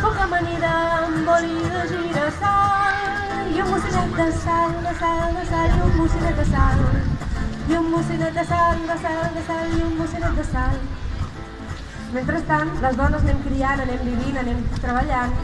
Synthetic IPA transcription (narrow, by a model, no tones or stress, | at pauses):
pɔkəməneɾəmboliðəʒiɾəsal | jummusinɛt̪̚d̪əsald̪əsald̪əsaliummusinɛt̪̚d̪əsal | jummusinɛt̪d̪əsand̪əsald̪əsaliummusunɛt̪̚d̪əsal | ment̪ɾəst̪anləzðɔnəznɛmkɾianənɛmbiβinənɛmt̪ɾəβəʎan